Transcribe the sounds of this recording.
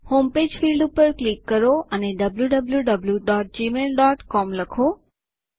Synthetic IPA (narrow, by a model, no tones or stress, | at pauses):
homped͡ʒfilɖupəɾklikːəɾoʔəneɖəbljuɖəbljuɖəbljuɖɔʈ̚d͡ʒimelɖɔʈkɔmləkʰo